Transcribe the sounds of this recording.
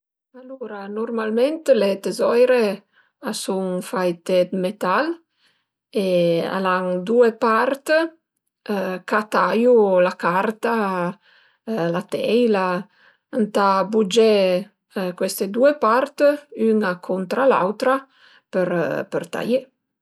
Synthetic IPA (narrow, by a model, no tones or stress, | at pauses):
aluɾanɔrmalment̪let̪ezɔjɾe | asuŋfajt̪ed̪met̪al | ea̰laŋd̪uepart̪ | kat̪ajulakart̪a | lat̪ɛjla | ant̪abud͡ʒe | kwest̪ed̪uepart̪yŋakʰɔnt̪ɾala̰wt̪ɾa | pəɾpərt̪a̰je